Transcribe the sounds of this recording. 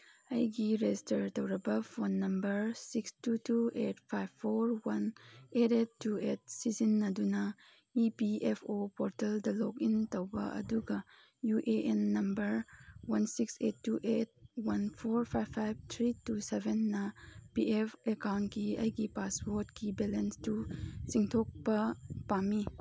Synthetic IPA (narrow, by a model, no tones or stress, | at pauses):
ɐjɡiɾetɐɾtɐwɾɐbɐfonːɐmbɐɾsikstutuʔetpʰajbpʰːoɾwɐnetetːuet̚sizinːɐdunɐ | ipiepʰopoɾtɐldɐlokintɐwbɐ̰ʔɐ̰duɡɐ | juʔeʔenːɐmbɐɾwɐnsiksetːuʔet̚wɐnpʰoɾpʰajbpʰːajbt̪ʰɾitusebʱenːɐpiepekawntkiɐ̰jɡipaspoɾtkibelenstusiŋtʰok̚pɐpami